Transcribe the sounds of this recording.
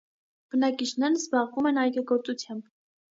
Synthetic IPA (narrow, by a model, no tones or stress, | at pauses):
b̥ənɑkit͡ʃʰnɛɾəzbɑʁvumɛnɑjɡəɡɔɾt͡sʼut͡sʰjɑmb